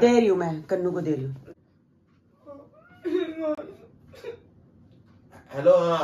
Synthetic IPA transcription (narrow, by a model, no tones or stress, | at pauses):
d̪eːɾɪjũmɛ̃ːkənːũːkod̪eːɾijũ | hɛloː